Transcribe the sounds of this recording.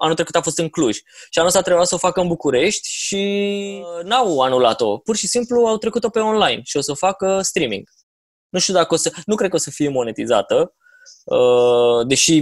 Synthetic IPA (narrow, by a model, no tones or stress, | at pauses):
anult̪ɾekut̪afo̞st̪ɨŋkluʒʲʃianosat̪ɾebuasəofakəɨnbukuɾe̞ʃt̪ʲʃi | nawanulat̪o̞̰purʃisimpluawt̪ɾe̞kut̪o̞pe̞o̞nlajnʃio̞səfakəst̪ɾimḭŋɡ̥ | nuʃt̪ud̪akəosənukɾed̪̚kəo̞səfije̞mo̞ne̞t̪iza̰t̪ə | əd̪e̞ʃi